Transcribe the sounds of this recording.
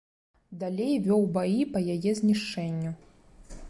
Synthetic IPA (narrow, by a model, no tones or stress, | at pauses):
d̪alʲejvʲɔwbajipɐjajɛzʲnʲiʂt͡ʂɛnʲːu